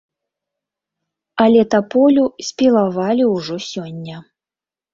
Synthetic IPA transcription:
ɐlʲɛt̪apɔlʲusʲpʲilˠavalʲiwʐɔsʲɔnʲːɐ

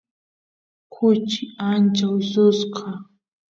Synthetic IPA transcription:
kʰʊt͡ʃɪant͡ʃawɪsʊsqʰɑ

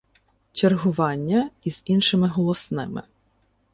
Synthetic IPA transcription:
t͡ʃerɦʊʋɑnʲːɐiz̥inʃɪmɪɦɔlˠɔsnɪmɪ̰

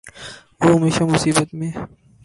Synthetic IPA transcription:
oɦɐmeːʃamʊsiːbət̪mẽ

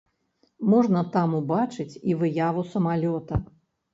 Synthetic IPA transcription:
mɔʐnɐt̪amubat͡ʂɨt͡sʲivɨjavusɐmalʲɔt̪ɐ

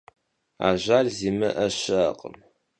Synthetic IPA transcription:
a̰ːʑaːrziːmɐʔɐɕɐaqʼə̰m

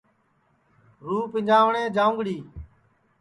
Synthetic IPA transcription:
ɾuːpɪɲd͡ʒaːʋɳẽːd͡ʒãːʊ̃ŋɡɽiː

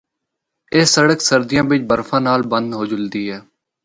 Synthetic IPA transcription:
eːsːəɽəksəɾd̪ɪjãːʋɪt͡ʃbəɾfʰãːnaːlbənd̪ɦoːd͡ʒʊld̪iːɦɛː

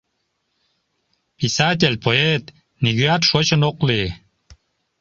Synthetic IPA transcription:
pʲisat̪̬ʲelʲpoet̪ | nʲiɡʲyat̪ʃot͡ɕənoqli

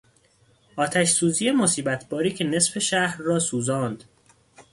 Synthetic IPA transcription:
ʔɒːt̪ʰæʃsuːziːje̞mo̞siːbæt̪ʰbɒːɾiːcʰe̞ne̞sfe̞ʃæhɾːɒːsuːzɒːnd̪̥

